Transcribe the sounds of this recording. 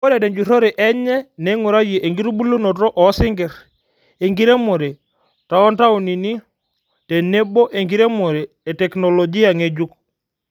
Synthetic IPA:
kɔ˦dɛ˨dɛ˨ɲd͡ʒu˨ɾɔ˦ɾe˨ʔɛ˦ɲɛ˦nɛ˨˦ŋu˨ɾa˦je˨ʔe˨ŋɡi˦ɾu˦bu˦lu˦nɔ˨tɔ˦ʔɔ˨˦si˦ŋɡɛ˨ɾ | e˨ŋɡi˦ɾe˦mo˨ɾe˨ | ta˨ɔ˦nta˦ɔ˨ni˨ni˦ | tɛ˨ne˦bɔ˦ʔe˨ŋɡi˦ɾe˦mɔ˨ɾeː˨tɛ˨knɔ˨lɔ˨d͡ʒi˦a˨ŋe˨d͡ʒu˦k

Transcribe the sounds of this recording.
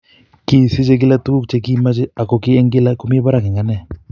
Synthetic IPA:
ki˦˨si˦t͡ʃe˦k̬ɪ˦la˦tu˦k̚t͡ʃe˦k̬i˦ma˦t͡ʃɪ˦a˨kɔ˨kɪ˦ɛ˦ŋɡɪ˦la˦ku˦mɪ˦ba˦ɾa˨kɪ˨ŋa˦nɛ˦˨

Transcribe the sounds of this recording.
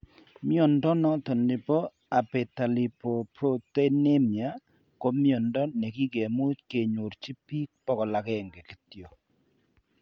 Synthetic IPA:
mjɔ˨ndɔ˦nɔ˦tɔ˨ndɪ˨pɔ˦ | a˨pe˨ta˨li˨po˨pɾo˦te˦ne˦mja˨˦ | ko˦mjɔ˨ndɔ˦nɛ˨ki˦ke˨mu˦tke˨ɲo˨ɾt͡ʃi˦pi˦k̚pɔ˦kɔ˨la˨kɛ˦˨ŋɡɛ˨ki˨tjo˨

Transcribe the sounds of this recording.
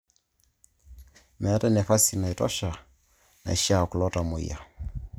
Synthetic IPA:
mɛ˨˦tɛ˦nɛ˨fa˦si˨na˨i˨tɔ̰˦ʃa˨ | na̰˨ʃa˨ku˨lɔ˦ta˨mo˨j̰a̰˨

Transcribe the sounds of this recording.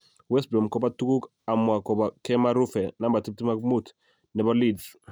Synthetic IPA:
wɛ˦sbɾɔ˨mkɔ˦ba˦tu˦ku˦k | a˨mwa˨kɔ˨ba˨kɛ˦ma˦ɾu˦fɛ˨na˦mba˨ti˦p̚ti˦ma˦kmu˦t | nɛ˨bɔ˦li˨ds

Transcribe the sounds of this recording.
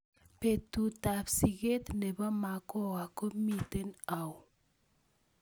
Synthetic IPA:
pe˨tu˨ta˨psi˨ɣe˦t̪ne˨ba˦ma˨kɔ˦wa˨ko˦mi˦te˦na˨w

